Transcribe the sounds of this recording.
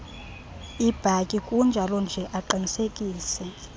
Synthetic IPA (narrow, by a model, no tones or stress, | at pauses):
ib̥ʱakʼikʼund͡ʒʱalɔnd͡ʒʱɛʔaǃinisekʼiːsɛ